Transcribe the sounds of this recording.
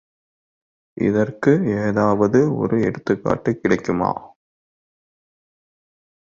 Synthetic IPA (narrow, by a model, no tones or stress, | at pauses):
ʔɪ̰ðɐrkɯeːðaːʋɐðɯɔ̰ɾɯɛ̰ɽɯt̪ːɯkːa̰ːʈːɯkːɪɽɐɪkːɯma̰ː